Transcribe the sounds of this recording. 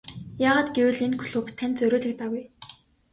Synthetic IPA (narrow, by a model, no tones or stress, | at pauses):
jaːʁaːt̪ɡewɘ̆ɮenkʰɵ̥ɮɵpt̪ʰːænt͡sɵɾʲoːɮɘ̆k̚t̪aɣuj